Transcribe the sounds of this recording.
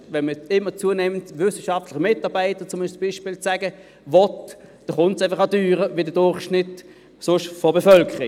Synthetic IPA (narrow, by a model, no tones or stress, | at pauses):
vɛnməɪmːət͡suənɛməntvʏsəʃɑftlɪχəmɪtɑːʁbaɪtət͡sʊmɪt͡sb̥iːʃpɪːlt͡sæɡə | vɔtd̥ɑχʊntsaɪfɐχɑdyːʁəʋidədʊɐχʃnɪt | sʊʃfɔbɛfœlkʰəʁi